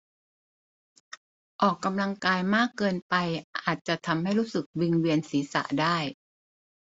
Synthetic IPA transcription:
ʔɔː˨˩kːa˧mla˧ŋkaː˧jmaː˥˩kːɤː˧npa˧jʔaː˨˩t̪̚t͡ɕa˨˩ʔt̪ʰa˧mha˥˩jɾuː˦˥sɯ˨˩k̚wi˧ŋwi˧ənsiː˩˦sa̰˨˩ʔdaː˥˩j

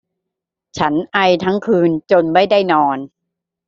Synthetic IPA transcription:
t͡ɕʰa˦˥nʔa˧jt̪ʰa˦˥ŋkʰɯː˧nt͡ɕo˧nma˥˩jda˥˩jnɔː˧n

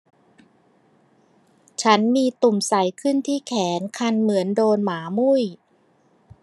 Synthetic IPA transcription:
t͡ɕʰa˦˥nmiː˧t̪u˨˩msa˩˦jkʰɯ˥˩nt̪ʰiː˥˩kʰɛː˩˦nkʰa˧nmɯ˩˦əndoː˧nmaː˩˦mu˥˩j

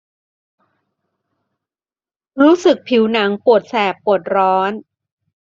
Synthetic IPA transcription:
ɾuː˦˥sɯ˨˩k̚pʰi˩˦wna˩˦ŋpu˨˩ət̪̚sɛː˨˩pːu˨˩ət̪̚ɾɔː˦˥n

